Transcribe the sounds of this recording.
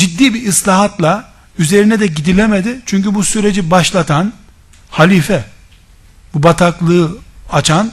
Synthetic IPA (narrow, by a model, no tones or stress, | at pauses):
d͡ʒid̪ːiːbiːslʲaːɦat̪lˠa | yze̞ɾinɛd̪ɛɟid̪ilʲemed̪it͡ʃʰyɲcybusyɾe̞d͡ʒibaʃlˠat̪ʰan | halʲiːfɛ | bubat̪ʰaklˠɯɯat͡ʃʰan